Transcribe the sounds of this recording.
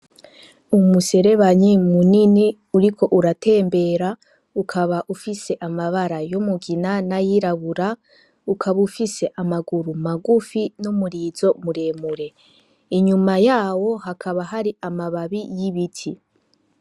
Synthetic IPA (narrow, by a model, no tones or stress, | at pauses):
umuse̞ɾe̞βaɲimunini | uɾikʰo̞ʔuɾate̞ːmbe̞ːɾa | ukʰaβaʔufise̞ʔamaβaɾajomuɡinanajiɾaβuɾa | ukʰaβufise̞ʔamaɡuɾumaɡufinumuɾiːzo̞muɾe̞ːmuɾe̞ | iɲumajaːwo̞hakʰaβaɦaɾiʔamaβaβijiβitʰi